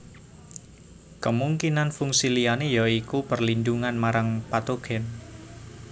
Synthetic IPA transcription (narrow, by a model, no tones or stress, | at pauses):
kəmuŋkinanfuŋsilianejaikupərlinduŋanmaɾaŋpat̪oɡ̥ɛn